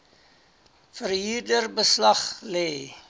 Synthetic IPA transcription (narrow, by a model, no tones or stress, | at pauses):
fərɦiːrdərbəslɐχlɛː